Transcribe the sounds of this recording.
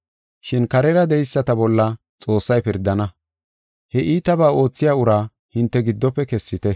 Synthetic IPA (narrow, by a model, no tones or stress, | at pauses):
ʃɪnkɐɾɛɾɐd̪ɛjsːɐt̪ɐbɔlːɐ | t͡sʼo̞ːsːɐjpɪɾd̪ːɐnɐ | hɛʔiːt̪ɐbaːo̞ːt͡sːɪjaːʊɾaː | hɪnt̪ːɛɡɪd̪ːɔpːɛkɛsːɪt̪ɛ